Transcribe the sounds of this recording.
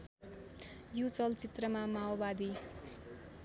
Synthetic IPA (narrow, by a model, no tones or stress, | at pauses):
jut͡sʌlt͡sit̪rʌmamaobad̪i